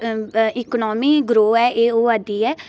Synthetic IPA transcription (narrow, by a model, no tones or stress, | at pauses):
ɪkːnɔːmiːɡɾoːɛːʔeːoːəd̪iːɛː